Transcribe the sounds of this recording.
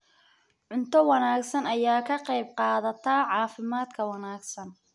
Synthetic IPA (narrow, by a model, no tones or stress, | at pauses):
ʕʊnt̪ʰɔwɑnaːɡsɐnɐjaːkʰɐqɑjb̚qɑːðɐt̪ʰɐʕɑːfɪmaːd̪kʰɐwɑnaːɡsɐn